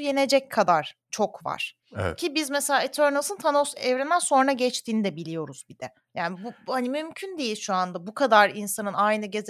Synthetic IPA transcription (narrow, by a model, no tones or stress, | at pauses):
je̞ne̞d͡ʒɛc̚kʰːad̪aɾ̥t͡ʃʰo̞kva̰ɾ̥ | ɛ̰ɛ̰cʰibizmɛselʲaːit̪ʰøɾnalˠsɯnt̪ʰanosɛvɾɛnd̪ænso̞nɾaɟɛt͡ʃt̪ʰiːnid̪ɛbilʲijo̞ɾuz̥bid̪̥ɛ | jaːnibuhanimymcʰynd̪ejilʲʃuand̪abukʰad̪aɾinsanɯnajnɯɟe̞z